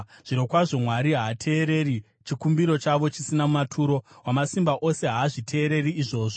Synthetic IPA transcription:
ʐ̥iɾo̞kwaʐo̞mwaɾiɦaːtʰe̞ːɾe̞ɾi | t͡ʃikumbiɾo̞t͡ʃaʋo̞t͡ʃisinamumatʰuːɾo̞wamasimbaʔo̞se̞ɦaːʐitʰe̞ːɾe̞riːʐo̞ːʐo

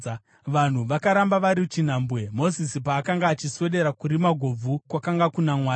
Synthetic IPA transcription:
ʋan̤uʋakaɾambaʋaɾit͡ʃin̤aːmbwe̞mo̞zisipaːkaŋɡaːt͡ʃiswe̞ɗe̞ɾakuɾimaɡʱo̞b͡vukwakaŋɡakunamwaː

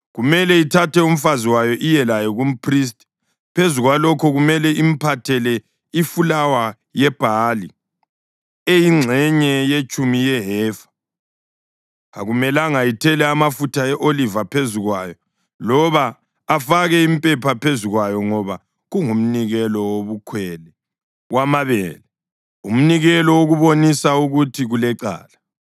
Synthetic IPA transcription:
ɣumɛlɛitʰatɛum̩faziwajɔʔijɛlajɔɣum̩pʰris̬tʼi | pʰezuɣwalɔkʰɔɣumɛlɛim̩pʰatʰɛlɛ | ifulawa | jɛb̥ʱali | ejiŋ͡ǁʱɛɲɛjet͡ʃʼumijɛɦɛːfḁ | a̰ɣumɛlaŋajitʰɛlɛamafutʰaɛʔolivapʰeziɣwajɔ | lɔβaː | faɣɛimpʼɛpʰapʰeziɣwajɔŋɔβa | ɣuŋum̩niɣɛlɔwoβukʰwɛlɛ | wamaβɛ̰lɛ | um̩niɣɛlɔwoɣuβonisauɣutʰiɣulɛǀa̰ːla

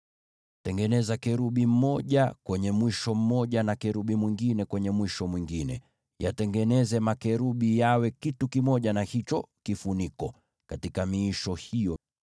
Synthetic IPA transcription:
tɛŋɡɛnɛzakɛɾuɓim̩mɔʄakwɛɲɛmwiʃɔm̩mɔʄanakɛɾuɓimwiŋɡinɛkwɛɲɛmwiʃɔmwiŋɡinɛ̰ | ja̰tɛŋɡɛnɛzɛmakɛɾuɓijawɛkitukimɔʄanahit͡ʃɔkifunikɔ | katikamiːʃɔhijɔ

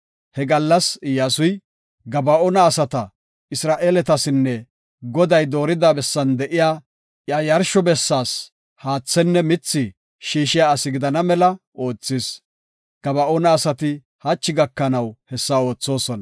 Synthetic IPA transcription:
hɛɡɐlːɐsɪjaːsʊj | ɡɐbɐʔonɐːsɐt̪ɐ | ɪsɾaːʔeːlɛt̪ɐsɪnːɛ | ɡɔd̪ɐjd̪o̞ːɾɪd̪aːbɛsːɐnd̪ɛʔɪjaː | jaːjɐɾʃɔbɛsːaːs | haːt͡sːɛnːɛmɪt͡sːɪ | ʃiːʃɪjaːɐsɪɡɪd̪ɐnɐmɛlɐ | o̞ːt͡sːɪs | ɡ̥ɐbɐʔoːnɐːsɐt̪ɪ | hat͡ʃːɪɡɐkːɐnɐwhɛsːɐo̞ːt͡sːo̞ːsɔnɐ

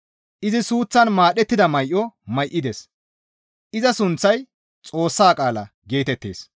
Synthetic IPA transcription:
ʔɪzɪsuːt͡sːɐnmaːɗɛt̪ːɪd̪ɐmɐjʔɔmɐjʔːɪd̪es | ʔɪzɐsʊnt͡sːɐj | t͡sʼo̞ːsːaːkʼaːlɐ | ɡe̞ːt̪ɛt̪ːe̞̰ːs

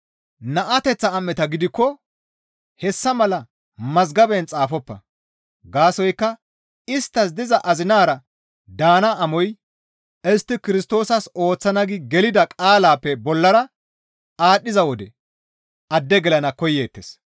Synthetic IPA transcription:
nɐʔɐt̪ɛt͡sːɐːmːɛt̪ɐɡɪd̪ɪkːɔ | hɛsːɐmɐlɐ | mɐzɡɐbɛnt͡sʼaːfɔpːɐ̰ | ɡaːsɔjkːɐ | ɪst̪ːɐs̬d̪ɪzɐʔɐzɪnaːɾɐ | d̪aːnɐʔːmɔj | ɛst̪ːɪkɪɾɪst̪o̞ːsɐso̞ːt͡sːɐnɐɡɪɡɛlɪd̪ɐkʼaːlaːpːɛbɔlːɐɾɐ | aːɗːɪzɐwɔd̪ɛ | ʔɐd̪ːɛɡɛlɐnɐkɔjːeːt̪ːes

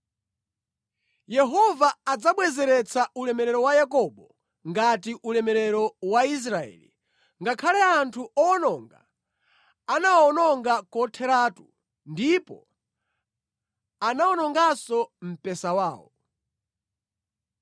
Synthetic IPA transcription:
jɛɦɔvaad͡zaɓwɛzɛɾɛt͡sʰaʔulɛmɛɾɛɾɔwajak̬ɔɓɔ | ŋɡat̬iʔulɛmɛɾɛɾɔwais̬ɾaɛ̰ːlḭ | ŋɡakʰalɛantʰuʔɔːnɔŋɡa̰ | anaɔnɔŋɡakɔtʰɛɾatu | ndipɔ | anaɔnɔŋɡasɔm̩pɛsawaːɔ̰

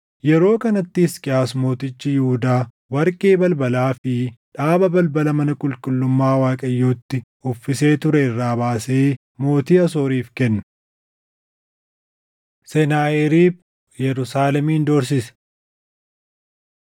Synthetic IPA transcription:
jɛɾo̞ːkɐnɐt̪ːɪːskʼɪaːsmo̞ːt̪ɪt͡ʃːɪjʊhʊd̪aː | wɐɾkʼeːbɐlbɐlaːfɪᶑaːbɐbɐlbɐlɐmɐnɐkʼʊlkʼʊlːʊmːaːwaːkʼɐjːoːt̪ːɪ | ʊfːɪse̞ːt̪ʊɾɛɪrːaːbaːseː | mo̞ːt̪iːɐs̬o̞ːɾiːfkɛnːɐ | sɛnaːɛɾiːb | jɛɾʊsaːlɛmiːnd̪ɔɾs̬ɪs

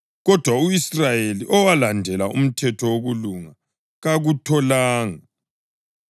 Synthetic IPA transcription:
ɣɔd̥ʱwauisrajeliʔɔwalandʱɛlaṵm̩tʰɛtʰɔwoɣuluŋa | ɣaɣutʰɔlaːŋa

